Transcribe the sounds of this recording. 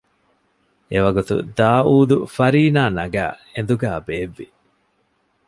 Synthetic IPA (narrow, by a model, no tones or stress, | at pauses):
eʋɐɡut̪ṵd̪aːuːd̪ufɐɾiːnaːnɐɡæ̰ːend̪uɡæːbeːʋːi